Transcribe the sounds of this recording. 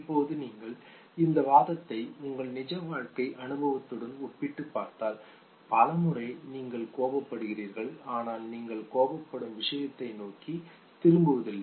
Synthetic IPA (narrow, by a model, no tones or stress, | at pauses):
ɪpːoːðɯniːŋɡɐɭ | ɪnd̪ɐʋaːðɐt̪ːɐɪʊŋɡɐɭnɪd͡ʒɐʋaːɻkɐɪʔɐnɯbɐʋɐt̪ːɯɽɐnɔpːɪʈːɯpːaːɾt̪aːl | pɐlɐmɯrɐɪniːŋɡɐɭkoːbɐpːɐɽɯɣɪriːɾɣɐɭaːnaːlniːŋɡɐɭkoːbɐpːɐɽɯmʋɪʂɐjɐt̪ːɐɪnoːki | t̪ɪɾɯmbɯʋɐðɪlːɐ